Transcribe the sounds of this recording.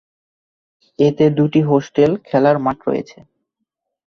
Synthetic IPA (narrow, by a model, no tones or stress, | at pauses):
et̪ed̪uʈiɦosʈelkʰɛlaɾmaʈɾo̰jḛt͡ɕʰe